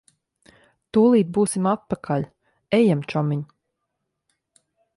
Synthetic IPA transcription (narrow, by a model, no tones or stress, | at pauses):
t̪ulˠiːt̪̚buːsimat̪̚pakʰaʎʲ | ɛjamt͡ʃɔmiɲ